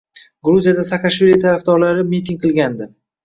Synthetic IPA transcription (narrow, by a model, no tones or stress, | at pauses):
ɡɾuzijad̪asakaʃvilijat̪ʰaɾafd̪ɒɾlaɾɪmit̪ʰiŋqʰɨlˠɡʲand̪ɪ